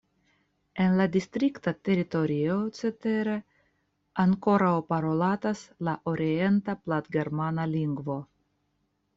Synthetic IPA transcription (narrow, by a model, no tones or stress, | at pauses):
e̞nladist̪ɾiktate̞ɾito̞ɾiot͡se̞te̞ɾe̞ | aŋko̞ɾawpaɾo̞lataslaʔo̞ɾie̞ntaplat̪ɡe̞ɾmanaliŋɡvo̞